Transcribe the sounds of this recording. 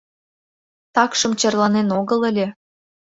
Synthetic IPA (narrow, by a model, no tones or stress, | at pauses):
t̪ɑkʃɤ̆mt͡ɕɤrlɑnenoɣə̆ləlʲĕ